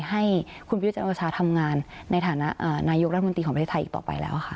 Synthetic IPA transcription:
ɦa˥˩jkʰu˧npa˧j̪̚t͡ɕaː˧˩t͡ɕʰaː˧˩t̪ʰa˧mŋaː˧nːa˧jt̪ʰaː˨˩˦na˦˥ʔʔaː˨˩naː˧jo˦˥kɾa˦t̪ʰːmo˧iː˧ɔ˩˦pɾʰeː˥˩t̪ʰʔiː˨˩t̪ɔ̰ː˨˩pa̰˧jlɛ̰ː˦˥wʔa˨˩xʰa˦˥ʔ

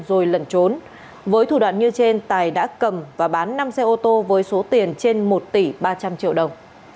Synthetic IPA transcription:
zo˨˩jlə˧˩nt͡ɕo˨˦n | vəː˨˦jt̪ʰu˧˩ɗwa̰ː˧˨nɲɨ˧t͡ɕe˧nt̪aː˨˩jɗa̰ː˧˥kə˨˩mvaː˨˩ɓaː˨˦nːa˧msɛ˧ʔo˧t̪o˧vəː˨˦jso˨˦t̪i˨˩ənt͡ɕe˧nmo˨˩t̚t̪i˧˩ɓaː˧t͡ɕa˧mt͡ɕḭ˧əwɗə˨˩wŋ͡m

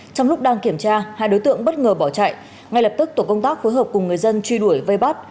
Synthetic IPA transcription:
t͡ɕɔ˧wŋ͡mlʊ˦˥k͡p̚ɗaː˧ŋki˧˩əmt͡ɕaː˧ha̰ː˧˨jɗo˨˦jt̪ɨ̰˧˨əŋɓə˦˥t̚ŋəː˨˩ɓɔ˧˩wt͡ɕa̰ː˧˨j | ŋa˧jlə˨˩p̚t̪ɨ˦˥k̚t̪o˧˩kə˧wŋ͡mt̪aː˦˥k̚fo˨˦jɦəː˨˩p̚kʊ˨˩ŋ͡mŋɨ˨˩əjzə˧nt͡ɕwi˧ɗu˧˩əjvə˧jɓa˦˥t̚

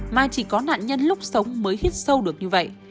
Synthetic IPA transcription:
maː˨˩t͡ɕi˧˩kɔ˨˦na̰ː˧˨nɲə˧nlʊ˦˥k͡p̚sə˨˦wŋ͡mməː˨˦jhi˦˥ət̚sə˧wɗɨ˨˩ək̚ɲɨ˧və̰˧˨jʔ

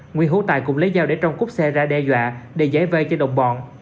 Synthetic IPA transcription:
ŋwi˧nɦu˧˦t̪a̰ː˨jkʊ̰˧˥ŋ͡mlə˨˦jzaː˧wɗe˧˩t͡ɕɔ˧wŋ͡mkʊ˦˥p̚sɛ˧zaː˧ɗɛ˧zwa̰ː˧˨ɗe˧˩zaː˨˦jvəː˧jt͡ɕɔ˧ɗə̰˧˨wŋ͡mɓɔ̰˧˨n

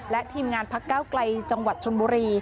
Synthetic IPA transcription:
lɛ˦˥ʔt̪ʰiː˧mŋaː˧npʰa˦˥kːaː˥˩wkla˧jt͡ɕa˧ŋwa˨˩t̪̚t͡ɕʰo˧nbuː˧ɾiː˧

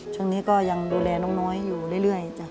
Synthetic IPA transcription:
t͡ɕʰu˥˩əŋniː˦˥kɔː˥˩ja˧ŋduː˧lɛː˧nɔː˧˥˩ŋnɔː˦˥jːuː˨˩lɯː˧˨jlɯ˥˩əjha˨˩˨t͡ɕa˧˩

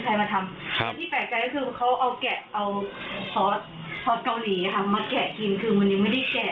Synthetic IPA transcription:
kʰa˧jmaː˧t̪ʰa˧ma˧nt̪iː˥˩pɛː˨˩k̚t͡ɕa˧jkɔ˥kʰɯː˧kʰa˦˥wʔa˧wkɛ˨˩ʔʔa˧w | sɔː˦˥t̪̚ | sʰɔː˦˥t̪̚ka˧wliː˩˦a˧kʰa˥˩maː˧kɛː˨˩ki˧nkʰɯː˧ma˧nji˧ma˥˩jda˥˩jkɛː˨˩

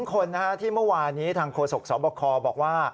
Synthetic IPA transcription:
ŋkʰo˧nːa˦˥kʰa˦˥t̪ʰiː˥˩mɯ˥˩waː˧nːiː˦˥t̪ʰaː˧ŋkʰoː˧so˨˩k̚sɔː˩˦bɔː˧kʰɔː˧bɔː˨˩k̚waː˥˩

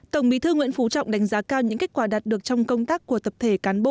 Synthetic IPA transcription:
t̪ə˧˩wŋ͡mɓḭ˧˥t̪ʰɨ˧ŋwḭ˧˥ənfu˨˦t͡ɕɔ̰˧˨wŋ͡mɗa˨˦ŋ̟zaː˨˦kaː˧wɲɨ̰˧˥ŋka˦˥k̚kwaː˧˩ɗaː˨˩t̚ɗɨ˨˩ək̚t͡ɕɔ˧wŋ͡mkə˧wŋ͡mt̪aː˦˥kːu˧˩ət̪ə˨˩p̚t̪ʰe˧˩kaː˨˦nɓo̰˧˨

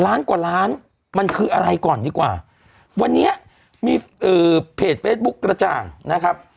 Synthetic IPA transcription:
laː˦˥nkwaː˨˩laː˦˥n | ma˧nkʰɯː˧ʔa˧ɾa˧jkɔː˨˩ndiː˧kwa̰ː˨˩ | wa˧nːi˦˥ɐ | miː˧ʔɤː˨˩pʰeː˨˩t̪̚feː˦˥t̪̚bu˦˥kːɾa˧t͡ɕa̰ː˨˩ŋna˦˥kʰa˦˥p̚

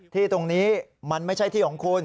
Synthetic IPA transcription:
t̪ʰiː˥˩t̪o˧ŋniː˦˥ma˧nma˥˩jt͡ɕʰa˥˩jt̪ʰiː˥˩lɔː˨˩˦ŋkʰuː˧n

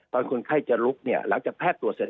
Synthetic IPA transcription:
baː˧nkʰu˧nkʰa˥˩jt͡ɕa˨˩ɾu˦˥k̚ni˥˩ɐla̰˨˩˦ŋt͡ɕaː˨˩pʰɛː˥˩t̪ːu˨˩t̪̚se˨˩˦

